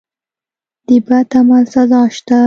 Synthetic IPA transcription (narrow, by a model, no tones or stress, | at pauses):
d̪̥ibat̪amalsazɑʃt̪a